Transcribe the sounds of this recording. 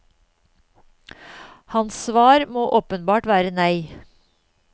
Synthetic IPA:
hɑnssʋɑːɾmoːʔoːpənbɑːʈʋæːɾənœɪ

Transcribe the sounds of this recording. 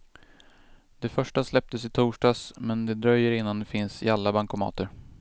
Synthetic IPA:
d̪ɛfœʂʈaslɛp̚t̪əsɪt̪ʰuːʂɖɑːsmɛnd̪ɛd̪ɾœjːəɾɪnːand̪ɛfɪnsɪ̰alːabaŋkʊmɑ̰ːt̪əɾ

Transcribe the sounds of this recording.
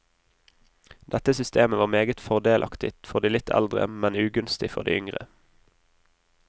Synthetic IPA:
d̪̥ɛt̪əsʏst̪eːməʋɑːmeːɡət̪fɔʁd̪eːlʔɑ̰kt̪ɪt̪fɔʁd̪iːlɪt̪ʰɛ̰ld̪ʁə̰mɛnʉːɡʉnst̪ɪfɔ̰ʁd̪ḭːʏŋʁə̰

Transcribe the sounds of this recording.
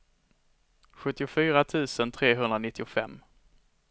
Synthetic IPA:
ɧɵt̪ːɪʊfyːɾat̪ʰʉ̟ːsənt̪ʰɾeːɦɵnɾanɪt̪ːɪʊfɛ̰mː

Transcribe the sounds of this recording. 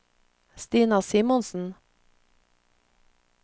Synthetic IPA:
st̪iːnɑsiːmɔnsn̩

